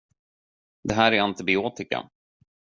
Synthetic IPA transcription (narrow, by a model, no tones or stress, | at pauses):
d̪ɛɦæːɾæɾant̪ɪbɪoːt̪ɪka̰